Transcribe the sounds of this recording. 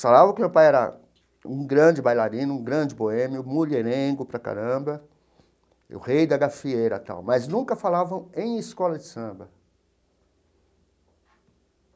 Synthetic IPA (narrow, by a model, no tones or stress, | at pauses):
falavɐ̃kɪmewpajɛɾɐ̰ | ũɡɾɐ̃d͡ʒɪbajlaɾĩnʊũɡɾɐ̃d͡ʒɪboẽmiʊmuʎeɾẽɡʊpɾɐka̰ɾɐ̃bɐ | ʊ̰hejd̪ɐɡafiejɾɐ̰t̪a̰wmɐznũkɐfalavɐ̃w̃ẽj̃ɪskɔlɐd͡ʒɪsɐ̃bɐ